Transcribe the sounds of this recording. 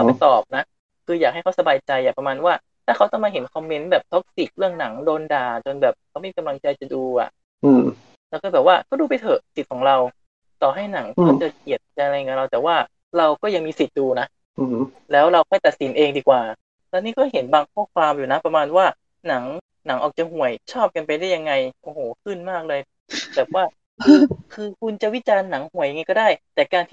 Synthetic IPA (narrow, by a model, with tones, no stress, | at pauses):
kʰa˥˩pa˧˩jt̪ɔː˨˩p̚na˦˥ | kʰɯː˧jaː˨˩k̚a˥˩jkʰa˦˥wsa˧baː˧jt͡ɕa˧jʔa˨˩pɾa˧maː˧nwaː˥˩ | t̪ʰaː˥˩kʰa˦˥wt̪ɔ˥˩ŋmaː˧ɦe˩˦nkʰɔ˧mːe˦˥nbɛː˨˩p̚t̪ʰo˦˥k̚si˨˩k̚ɾɯ˥˩əŋna˩˦ŋdoː˧ndaː˨˩t͡ɕo˧nbɛː˨˩p̚kʰa˦˥ma˥˩mi˧ka˧la˧ŋt͡ɕa˧jt͡ɕa˨˩duː˧ʔa̰˨˩ʔ | ʔɯː˧˩ | lɛː˧˥wkɔ˥˩ɛː˨˩p̚waː˥˩kɔː˥˩duː˧p̬a˨˩jt̪ʰɤ˨˧˩si˨˩t̪̚kʰɔː˩˦ŋɾa˧w | t̪ɔː˨˩ɦa˥˩jna˩˦ŋk̪ːt͡ɕa˨˩ki˨˩ət̪̚ka˧n˧a˧jka˧nɾa˧wt̪ɛː˨˩waː˥˩ | ɾa˧wkɔː˥˩ja˧ŋmiː˧si˨˩t̪̚duː˧na˦˥ | ʔ | lɛː˦˥wɾa˧wkʰɔː˥˩jt̪a˨˩t̪̚si˩˦nʔeː˧ŋdiː˧kwaː˨˩ | lɛː˦˥niː˥˩kʰɔː˥˩ɦe˩˦nbaː˧ŋkʰɔː˥˩kʰwaː˧mjuː˨˩na˦˥pɾa˧maː˧nwaː˥˩ | na˩˦ŋ | na˩˦ŋʔɔː˨˩k̚t͡ɕa˨ɦu˨˩əjt͡ɕʰɔː˥˩p̚ka˧npa˧jda˥˩ja˧ŋːa˧jʔoː˧˩hoː˩˦kʰɯ˥˩nmaː˥˩k̚lɤː˧j | bɛː˨˩p̚waː˥˩˧ | kʰɯː˧kʰu˧nt͡ɕa˨˩wi˦˥t͡ɕaː˧nːa˩˦ŋhu˨˩əja˧ŋa˧jkɔ˥˩daː˥˩jt̪ɛː˨˩kaː˧nt̪ʰiː˥˩